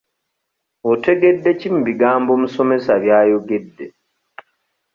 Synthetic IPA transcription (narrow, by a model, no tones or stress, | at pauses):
ote̞ɡe̞dːe̞cim̩biɡaːmbomuso̞me̞saβjaːjoɡedːe̞